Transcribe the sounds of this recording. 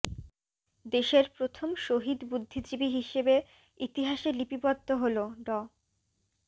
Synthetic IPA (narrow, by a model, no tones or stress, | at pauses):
d̪eʃeɾpɾot̪ʰomʃoɦid̪bud̪ʱːid͡ʑibiɦiʃebe | it̪iɦaʃelipipɔd̪ːoɦoloɖɔ